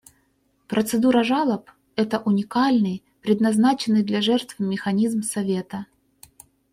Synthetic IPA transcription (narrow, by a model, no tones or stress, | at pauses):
pɾʔət̪sɨd̪uɾɐʐalˠəp | ɛt̪əʔʊnʲɪkalʲnɨj | pɾʲɪd̪nɐznat͡ɕɪnːɨjd̪lʲɐʐɛrt̪vmʲɪxɐnʲizmsɐvʲe̞t̪ə